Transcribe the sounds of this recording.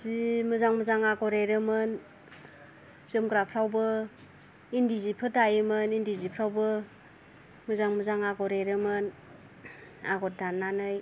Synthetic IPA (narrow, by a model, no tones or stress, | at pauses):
zimɯzaŋmɯzaŋaɡɔɾeɾɯmɯn | zɯmɡɾapʰɾawbɯ | indizipʰɯdajɯmɯnindizipʰɾawbɯ | mɯzaŋmɯzaŋaɡɔɾeɾɯmɯn | aɡɔt̚danːanɯj